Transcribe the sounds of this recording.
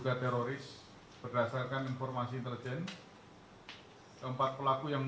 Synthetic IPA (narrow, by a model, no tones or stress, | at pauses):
ɡ̥at̪eɾoɾɪs | b̥ərdasarkaninfɔrmasiint̪əld͡ʒɛn | kəmpat̪̚pəlakujaŋ